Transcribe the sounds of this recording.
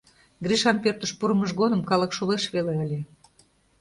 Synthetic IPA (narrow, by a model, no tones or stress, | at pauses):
ɡɾiʃɑnpørt̪əʃpuɾə̆məʒɣod̪ə̆mkɑlə̆kʃoleʃβeleəlʲe